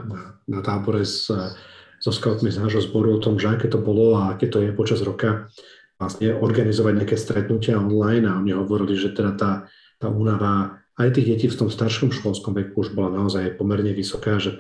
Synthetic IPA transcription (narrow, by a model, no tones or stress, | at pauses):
nanat̪aːbɔɾɛz | z̥ɔskaʊt̪miznaːʒɦɔzbɔɾuɔt̪ɔmʒɛakɛːt̪ɔbɔlɔaakɛːt̪ɔjɛpɔt͡ʃazɾɔka | ʋlasɲɛɔɾɡanizɔʋaɟɲaakɛːst̪ɾɛt̪nucɪaɔnlajnaɔɲiɦɔʋɔɾiliʒɛt̪ɛd̪at̪aː | t̪aːuːnaʋa | ajt̪iːɣɟɛciːft̪ɔmst̪aɾʃɔmʃkɔlskɔmʋɛkuuʒbɔlanaɔzajpɔmɛɾɲɛʋisɔkaːʒɛ